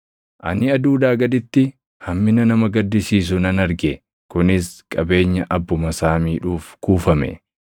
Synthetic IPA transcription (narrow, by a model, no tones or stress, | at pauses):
ʔɐ̰nɪɐd̪uːd̪aːɡɐd̪ɪt̪ːɪ | hɐmːɪnɐnɐmɐɡɐd̪ːɪsiːs̬ʊnɐnɐɾɡɛ | kʊnɪskʼɐbe̞ːɲːɐʔɐbːʊmɐsaːmiːᶑuːfkuːfɐmɛ̰